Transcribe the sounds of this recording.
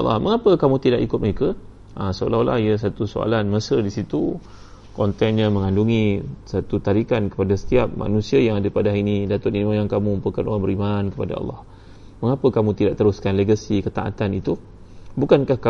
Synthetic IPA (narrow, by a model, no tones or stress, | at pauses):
ɑ̰lɑ̰hməŋapəkamũt̪idaʔikʊt̪̚məɾekə | ʔəsəo̰lala̰hias̬at̪usoa̰lanməsədisit̪u | kɔnt̪ɛnɲãmə̃ŋanduŋisat̪ut̪aɾikankə̥padasə̥t̪iap̚ma̰nũsiajaŋadapadaɦinidat̪ʊt̪inimajaŋkamũmpəkanʔo̰ɾaŋbəɾimankəpada̰ɑ̰lːɑ̰h | məŋapəkamũt̪idaʔt̪əɾʊskanleɡasikət̪a̰ʔa̰t̪anit̪u | bukankahka